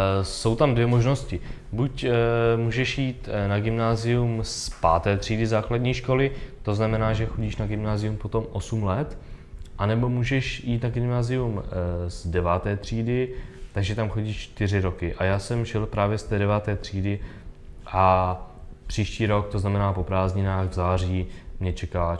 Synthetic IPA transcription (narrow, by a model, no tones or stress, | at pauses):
so̞wt̪amdvjɛmo̞ʒno̞scɪ | bucmuːʒɛʃjiːt̪naɡɪmnaːzɪjumspa̰ːt̪ɛːt̪r̝̥iːdɪzaːkladɲiːʃko̞lɪt̪o̞znamɛnaːʒɛxo̞ɟiːʃnaɡɪmnaːzɪjumpo̞t̪o̞mʔo̞sumlɛt̪ʔanɛbo̞muːʒɛʃjiːt̪naɡɪmnaːzɪjumzdɛvaːt̪ɛːt̪r̝̥iːdɪt̪aɡʒɛt̪amxo̞ɟiːt͡ʃt̪ɪr̝ɪɾo̞kɪʔajaːsɛmʒɛlpɾaːvjɛst̪ɛːdɛvaːt̪ɛːt̪r̝̥iːdɪ | ʔa | pr̝̥iːʃciːɾo̞k̚t̪o̞znamɛnaːpo̞pɾaːzɲɪnaːɣvzaːr̝iːmɲɛt͡ʃɛka